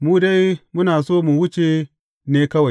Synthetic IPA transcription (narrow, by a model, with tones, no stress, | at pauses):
muː˦da˦jmʊ˦naː˨soː˦mu˨wʊ˦t͡ʃe˨ | neː˦kɐ˦wa˨j